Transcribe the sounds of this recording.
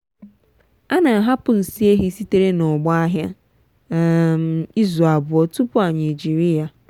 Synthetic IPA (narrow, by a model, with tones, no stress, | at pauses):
a˦na˨a˨ɦa˦pʊ˨n̩˨si˦e˦ɦi˦si˦te˦ɾe˦nɔ˨ɡ͡ba˦a˦ɦja˦˨ | m̩˨i˦zʊ˨a˨bʊ˨ɔ˦tu˦pʊ˦a˨na˨d͡ʒi˨ɾi˦ja˦